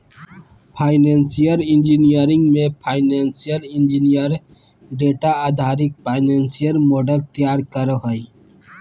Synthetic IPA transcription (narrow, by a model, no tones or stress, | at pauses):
pʰaːɪnensijəɾɪ̃nd͡ʒinijəɾɪ̃ŋɡmẽpʰaːɪneːnsijəɾɪnd͡ʒinijəɾ | ɖeːʈaaːd̪ʱaːɾɪk̚pʰaːɪneːnsijəɾmoːɖəlt̪ijaːɾkəɾəɦəi